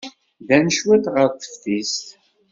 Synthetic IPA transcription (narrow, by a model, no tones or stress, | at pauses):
ðænəʃwæt̪ʁəɾθə̥fθist̪